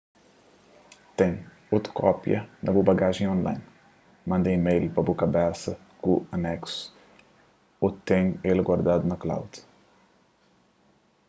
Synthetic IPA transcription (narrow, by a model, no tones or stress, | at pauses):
t̪ɛ̃ɲ | ot̪ɾkʰɔpjɐ̰nɐbobɐɡaʒẽj̃õnla̰jn | mɐ̃nd̪ẽimejlpɾɐbokɐbɛsɐ | kuɐnɛksu̥ | ot̪ẽɲelɡwaɾd̪ad̪unɐkla̰wd̪̥